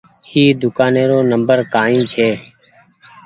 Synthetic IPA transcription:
iːd̪ʊkaːnẽːɾoːnəmbəɾkaːĩːt͡ʃʰeː

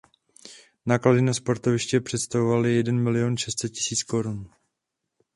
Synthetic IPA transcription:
naːkladɪnaspo̞ɾt̪ovɪʃcɛpr̝̥ɛt̪st̪avovalɪjɛdɛnmɪlɪjonʃɛst̪sɛt̪̚cɪ̥siːt͡sko̞ɾun

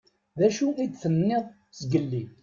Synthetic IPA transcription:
ðæʃuʔid̪θənːɪðˤ | sɡəlːi

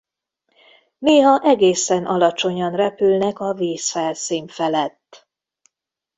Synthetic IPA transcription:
neːɦɒʔɛɡeːsɛnʔɒlɒt͡ʃo̞ɲɒnrɛpylnɛkɒviːsfɛlsiːɱfɛlɛt̪ː

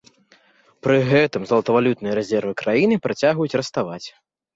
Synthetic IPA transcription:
pɾɨɣɛt̪ɨmzɐlˠɐt̪ɐvalʲut̪nɨjɐɾɛzʲɛrvɨkɾajinɨpɾat͡sʲaɣujut͡sʲɾɐst̪avat͡sʲ

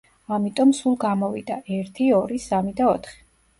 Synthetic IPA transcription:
amit̪ʼɔmsulˠɡamɔvḭd̪aʔɛɾt̪ʰiɔɾisamid̪aɔt̪ʰχi̥

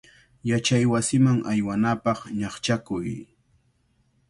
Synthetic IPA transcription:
jat͡ʃajwasɪmaŋʔajwanapɑχɲɑχt͡ʃakʊj

